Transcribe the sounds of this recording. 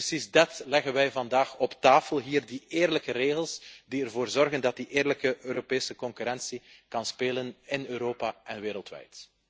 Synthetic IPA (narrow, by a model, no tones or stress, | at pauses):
əsizdɛtlɛɣənʋɛjvɑndaːxɔptaːfəlˠɦiːrdieːrləkəɾeːɣəlˠsdiərvoːrzɔrɣəndɑt̚diʔeːrləkəʔøːɾopeːsəkɔŋkyɾɛnsikɑnspeːlənɪnøːɾoːpaɛnʋeːɾəlˠtʋɛ̰jt